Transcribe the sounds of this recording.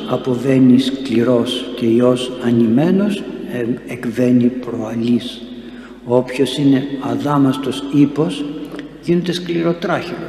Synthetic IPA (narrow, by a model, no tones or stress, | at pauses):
ɐpo̞ve̞niskliɾo̞sce̞io̞sɐnime̞no̞sekve̞nipɾo̞ɐlis | o̞pço̞sine̞ɐðɐmɐst̪o̞sipo̞s | ʝinet̪eskliɾo̞t̪ɾɐçilo